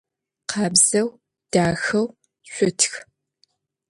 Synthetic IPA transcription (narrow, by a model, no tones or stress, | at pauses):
qɑːbz̥ɐw | d̥aːxɐw | ɕʷʊtʰx